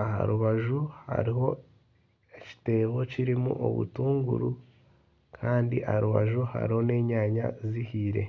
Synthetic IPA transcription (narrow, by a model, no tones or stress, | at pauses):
aha̰ɾuβaʒuha̰ɾiɦo̞ | eci̥te̞ːβo̞ciɾimṵʔo̞̰βṵtuːŋɡṵɾu | kʰaːndiʔa̰haɾuβa̰ʒuha̰ɾiho̞ne̞ːɲaːɲa̰zihiːɾe̞̰